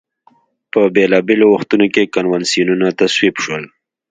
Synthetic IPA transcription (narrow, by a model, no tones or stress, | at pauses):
pəbelɑbelowaxt̪unokekanwansijununat̪aswibʃwəl